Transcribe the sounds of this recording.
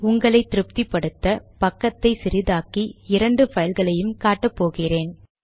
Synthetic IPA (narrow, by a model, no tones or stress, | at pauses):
ʊŋɡɐɭɐɪt̪ːɪɾɯp̚t̪ipːɐɽɯt̪ːɐpɐkːɐt̪ːɐɪsɪɾɪðaːkiɪɾɐɳɖɯfɐjɐlɣɐɭɐjɯmkaːʈːɐpːoːɣɪreːn